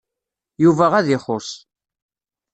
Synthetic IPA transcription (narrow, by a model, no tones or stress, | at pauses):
juvæʁæðɪχʊs